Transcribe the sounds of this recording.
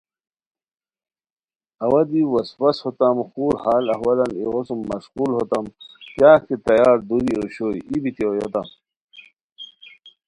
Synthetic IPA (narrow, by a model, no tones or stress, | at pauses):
ɐwɐd̪iwɐspɐshot̪ɐmxuːɾhaːlɐɦwɐlɐnḭɣosumːɐɕquːlɦot̪ɐmkjaːket̪ɐjaːɾd̪uɾioɕojibit̪iojo̰t̪ɐ̰m